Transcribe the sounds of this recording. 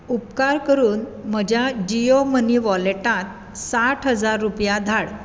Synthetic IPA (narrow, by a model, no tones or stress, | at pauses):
upkaɾkəɾuːnm̤əd͡ʑʱjad͡ʑioməniʋɔleʈãt̪̚ | saʈʰɦəd͡zaɾːupjad̪ʱaɽ